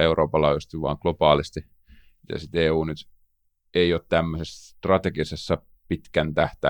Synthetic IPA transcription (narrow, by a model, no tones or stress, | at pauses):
euroːpːɑlɑːjust̪iʋʋɑ̰ːŋklopɑːlist̪i | jɑ̰sit̪eːuːnyt̪ | eioːt̪t̪æmːøsesst̪rɑt̪ekisesːɑ | pit̪kænt̪æht̪æ̰